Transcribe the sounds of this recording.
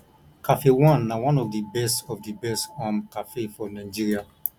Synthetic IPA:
kafewɔ̃nːawãnɔvdibɛstɔvdibɛstɔ̃mkafefɔnãɪd͡ʒiɾia

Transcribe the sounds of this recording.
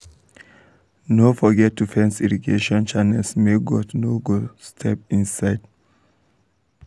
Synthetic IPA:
nofɔɡɛtdufɛ̃nsiɹiɡḛʃɔ̃nt͡ʃanɛlsmeɡɔtnoɡustʰɛp̚ĩnsaɪd

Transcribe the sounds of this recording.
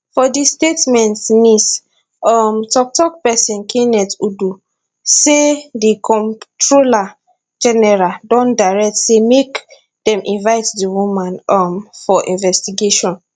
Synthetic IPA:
fɔdistetmɛ̃ntmis | ɔmtɔk̚tɔk̚pɛsĩnkʰĩnɛtudu | sedikʰɔ̃ntɹola | d͡ʒɛnɛɹaldɔ̃ndaɹɛk̚tsemek | dɛ̃mʔĩnvaɪtdiwumãnɔmfɔʔḭ̃nvɛstiɡeʃɔ̃n

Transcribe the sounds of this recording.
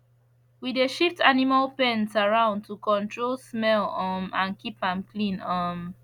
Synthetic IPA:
wideʃiftʰanimalpɛ̃nsaɹãʊ̃ndtʰukɔ̃ntʰɹolsmɛlɔmãnkipãmkʰlĩnɔm

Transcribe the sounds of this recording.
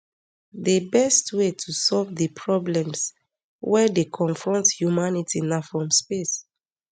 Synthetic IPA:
debɛstwetʰusɔlvdəpʰɹɔblɛ̃ms | wɛdekʰɔ̃nfɹɔ̃nthjumanitinafɹɔ̃mspes

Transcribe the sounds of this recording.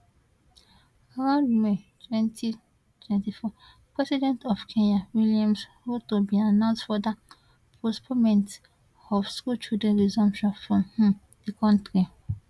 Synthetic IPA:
aɾãndmetʰwɛ̃ntʰi | tʰwɛ̃ntifɔ | pɹɛsidɛ̃ntʰɔfkʰẽɲawiliãmshotobianãʊ̃nstfɔda | pʰospʰɔmɛ̃nt | ɔfskult͡ʃildɹɛ̃nɹizɔ̃mpʃɔ̃nfɹɔ̃mhũm | dekʰɔ̃ntɾi

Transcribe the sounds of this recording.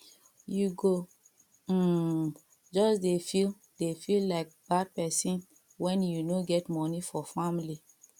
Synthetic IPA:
juɡo | d͡ʒɔsdefil | defillaɪk̚b̥ad̚pɛsĩn | wɛ̃njunoɡɛtmɔnifɔfamili

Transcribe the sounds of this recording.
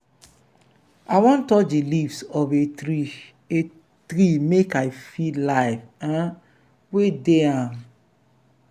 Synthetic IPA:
aɪwɔ̃ntɔdilifsɔve | e | t̪ɾimekaɪfilaɪvã | wedeãm

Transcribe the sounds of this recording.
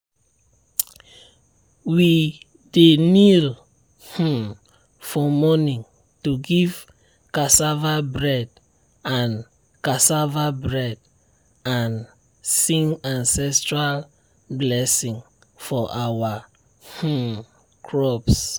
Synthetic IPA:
wi | denil | h̩ | fɔmɔnĩŋ | tuɡiv̥ | kasavabɹɛ | ãn | kasavabɹɛd | ãn | sĩŋãnsɛstɹal | blɛsĩŋ | fɔʔawa | h̩ | kʰɹɔps

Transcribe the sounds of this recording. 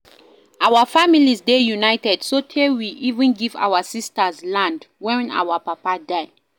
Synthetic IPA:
ʔawafamilizdejunajtɛd̥sotʰewiʔivə̃nɡiva̰wasistəzlãndwɛ̃na̰wapapadaɪ

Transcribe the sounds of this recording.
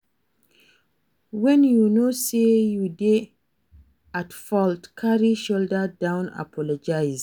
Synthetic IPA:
wɛ̃njunosejude | atfɔltkʰaɹiʃoldədãw̃na̰pʰɔlɔd͡ʒajz

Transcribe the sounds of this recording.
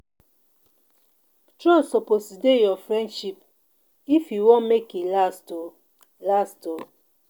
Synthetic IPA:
tɾɔ̃soposidejɔfɾɛ̃ndʃip | ifjuwõnmekelasto | lasto

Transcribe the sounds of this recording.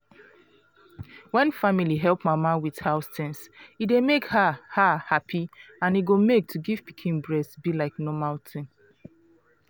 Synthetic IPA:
wɛ̃nfamiliɦɛlˠpmamawið̥haʊstɛ̃nsidemekhahahapʰiãniɡomek̚tʰuɡiv̥pikʰĩnbɹɛsbilaɪknɔmaltʰɪ̃n

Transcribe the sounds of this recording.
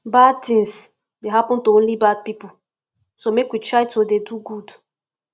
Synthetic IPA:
bad̚tĩŋs | deɦapɔ̃ntoõnlibad̚pipʊ | somekwitɹaɪtʰodeduɡud

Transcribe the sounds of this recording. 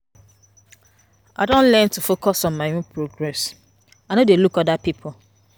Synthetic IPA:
ʔaɪdõnlɛntufokɔsɔ̃nmaɪõnpʰɹoɡɹɛs | anodelukɔdapipʰʊ

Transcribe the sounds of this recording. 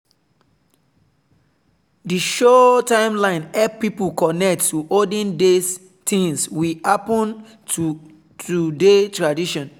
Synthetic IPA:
diʃɔtãɪ̃mlãɪ̃nɛp̚pipukɔnɛk̚tːuʔodĩndes | tʰĩŋswihapɔ̃n | tudetɹadiʃɔ̃n

